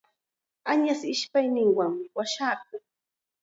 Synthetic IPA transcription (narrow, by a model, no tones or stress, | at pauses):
aɲasɪʃpajnɪŋwaŋwaʃaːk̚ʊŋ